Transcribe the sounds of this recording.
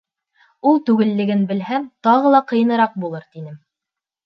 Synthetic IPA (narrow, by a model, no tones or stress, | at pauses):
ulˠt̪ʉɡɘ̆lːɘ̆ɡɘnbɘ̆lɦæmt̪ɑʁɤlˠɑqɤ̆jɤ̆nɤ̆ɾɑq̚bulˠɤɾt̪inɘm